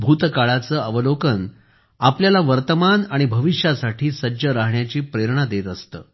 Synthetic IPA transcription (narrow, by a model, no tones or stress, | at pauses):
bʱut̪kaɭat͡səːəʋəlokən | apljalaʋəɾt̪əmanaɽ̃ibʱəʋiʂjasaʈʰiːsəd͡ʑəɾaɦɳjat͡ɕiːpɾeɾɳ̃ad̪et̪əst̪ə̰ː